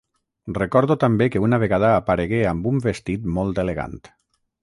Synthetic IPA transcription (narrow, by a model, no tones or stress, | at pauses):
rekɔɾðut̪ambekeunaβ̞eɣaðaːpaɾeɣeambumbest̪it̪mɔlˠd̪eleɣa̰nt̪